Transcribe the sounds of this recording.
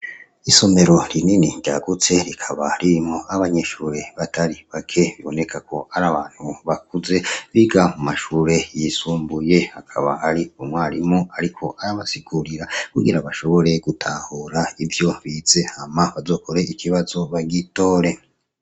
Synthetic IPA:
iso̞me̞ɾo̞ɾininiɟa̰ɡut͡se̞ɾikʰaβaɾimoaβaɲe̞ʃuːɾe̞βatʰaɾiβakʰe̞βiβo̞ne̞kʰakʰo̞aɾaβaːn̥huβak̚uze̞βiɡamumaʃuːɾe̞jisuːmbuje̞hakʰaβa̰haɾiumwaːɾimoaɾikʰo̞ʔaɾaβasiɡ̥uɾiɾakuɡiɾaβaʃo̞βo̞ɾe̞ɡ̥utʰaːhuɾaivjo̞βiz̥e̞hamaβazo̞ːkʰo̞ɾe̞ikʰiβazo̞βaɡito̞ːɾe̞

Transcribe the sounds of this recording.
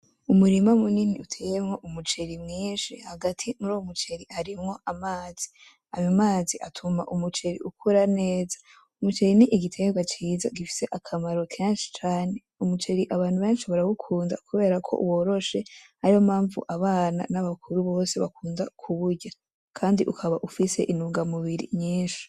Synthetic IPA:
umuɾimamuniniutʰe̞ːjemŋo̞ʔumut͡ʃe̞ɾimŋiːnʃihaɡatʰimuɾoomut͡ʃe̞ɾihaɾimŋo̞ʔamaːz̥i̥ | ajomaːziʔatʰumaʔumut͡ʃe̞ɾḭʔukʰuɾane̞ːzḁ | umut͡ʃe̞ɾiniʔiɡitʰe̞ɡwat͡ʃiːza̰ɡifi̥se̞ʔakʰamaɾo̞kʰeːnʃi̥t͡ʃaːne̞ | umut͡ʃe̞ɾiʔaβaːnhuβeːnʃiβaɾaɡukʰuːnda̰kuβe̞ːɾakʰo̞̰ʔwo̞ːɾo̞ʃe̞haɾiomaːɱvṵʔaβaːna̰naβakʰuɾuβo̞ːse̞βakʰuːndakʰuβuɾɟa | kʰaːndiʔukʰaβaʔufise̞̰ʔinuːŋɡamuβiɾḭɲɲiːnʃi̥

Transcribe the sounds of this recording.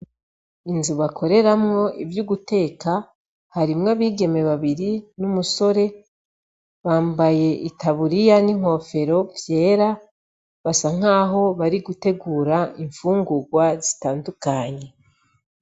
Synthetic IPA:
inzuβakʰo̞ɾe̞ɾamŋo̞ivjuɡute̞ːka | haɾimŋaβiːɡe̞me̞βaβiɾinumuso̞ɾe̞ | βaːmbaje̞ʔitaβuɾijaniŋ̥ho̞fe̞ɾo̞vje̞ːɾa | βasaŋ̥aːɦo̞βaɾiɡute̞ɡuːɾaiɱfuːŋɡuɡwazi̥taːndukaɲe̞

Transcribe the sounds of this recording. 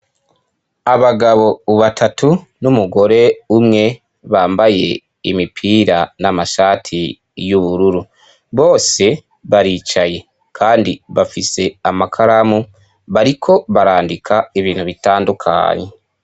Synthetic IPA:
aβaɡaβo̞βatʰatu | numuɡo̞ɾe̞umŋe̞ | βaːmbaje̞̰ | imipʰiːɾanamaʃaːtʰi | juβuɾuɾu | βo̞ːse̞ | βaɾiːt͡ʃaje̞ | kʰaːndiβafise̞amakʰaɾamu | βaɾikʰo̞βaɾaːndikʰaiβiːnhuβitaːndukʰa̰ɲe

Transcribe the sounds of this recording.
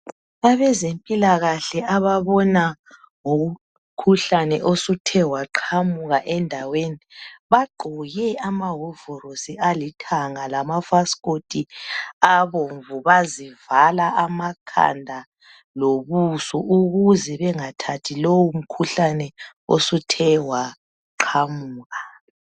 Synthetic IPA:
aβɛzempʼilaɣaɬɛʔaβaβɔna | ŋou | kʰuɬanɛʔosutʰɛwaǃʰamuɣaʔɛndʱaweniβaɡ͡ǃʱɔjɛamaɦɔvɔɾosialitʰaŋalamafaskotʰʼiaβoɱvuβazivalaʔamakʰa̰ndʱa | loβusɔʔuɣuzɛβɛŋatʰatʰilowum̩kʰuɬanɛ | o̰sutʰɛwa | ǃʰamuːɣa

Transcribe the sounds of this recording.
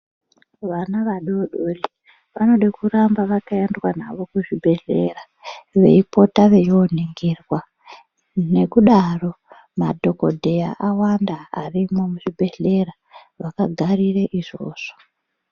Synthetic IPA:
ʋanaʋaɗoɗoli | ʋano̞ɗakurambaʋakaendwana̰ʋo̞kuʐibʱe̞ɮera | ʋe̞̰ipo̞taʋe̞joniŋɡirwa | ne̞kuɗaro̞ | ma̰dʱo̞ko̞dʱe̞jaʔawandaarimomuʐibʱe̞ɮe̞ra | ʋakaɡʱarireʔiʐo̞̰ːʐ̥o̥

